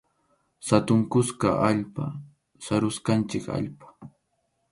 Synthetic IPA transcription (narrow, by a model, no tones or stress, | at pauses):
sat̪ʊŋkʊskaʔaʎpa̰ | saɾʊskant͡ʃɪka̰ʎpḁ